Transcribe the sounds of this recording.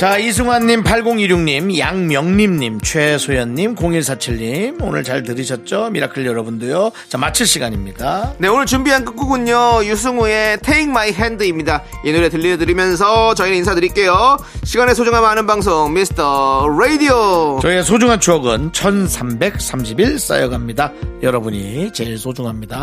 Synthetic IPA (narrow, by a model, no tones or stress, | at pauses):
t͡ɕaisʰɯŋwanːimpʰaɭɡoŋiɾjuŋɲimjaŋmjʌŋɲimɲimt͡ɕʰwe̞sʰojʌnːimkoŋiɭsʰat͡ɕʰiɭːimonɯ̰ɭt͡ɕaɭtɯɾiɕʰʌt̚t͡ɕ͈omiɾakʰɯɭjʌɾʌbundojot͡ɕamat͡ɕʰɯɭɕ͈ʰiɡaɲimɲit͈ane̞onɯɭt͡ɕumbiɦank͈ɯk͈̚uɡuɲːojusʰɯŋue̞tʰeiŋmaiɦendɯimɲidainuɾe̞tɯʎːiʌd̬ɯɾimjʌns̬ʰʌt͡ɕʌinɯins̬ʰadɯɾik͈e̞jo | ɕʰiɡanes̬ʰod͡ʑuŋɦamɦanɯnbaŋs̬ʰoŋmisʰɯ̥tʰʌɾeidiot͡ɕʌiesʰod͡ʑuŋɦant͡ɕuʌɡɯnt͡ɕʰʌnsʰambe̞k̚s͈amɕʰibiɭs͈a̰jʌɡamɲidajʌɾʌbuɲit͡ɕeɭsʰod͡ʑuŋɦamɲida